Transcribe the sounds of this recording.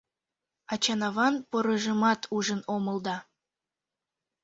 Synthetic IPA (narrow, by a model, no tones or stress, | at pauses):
ɑt͡ɕɑnɑβɑnpɤɾə̆ʒə̆mɑt̪ʰuʒənomə̆lˠd̪ɑ